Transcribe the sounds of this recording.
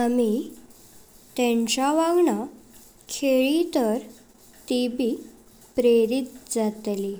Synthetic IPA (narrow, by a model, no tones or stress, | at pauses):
ami | t̪eɛ̃ɲt͡ɕaʋaɡɳa | kʰeɭit̪əɾ | t̪ibʱi | pɾeɾit̪̚d͡zat̪li